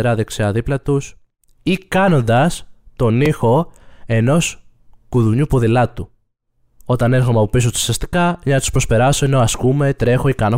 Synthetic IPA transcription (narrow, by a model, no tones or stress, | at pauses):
ɾɐðekseɐðiplɐt̪us | ikɐno̞nd̪ɐst̪o̞nixo̞e̞no̞s | kuðuɲupoðilɐt̪u | o̞t̪ɐne̞ɾxomeɐpo̞pis̬ot̪u̥sɐst̪i̥kɐɲɐɐt̪spɾo̞spe̞ɾɐso̞eno̞ɐskume̞t̪ɾe̞xo̞ikɐno